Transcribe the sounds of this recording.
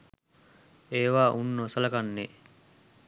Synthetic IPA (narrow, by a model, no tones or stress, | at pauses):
eːʋaːʔunːosɐlɐkanːe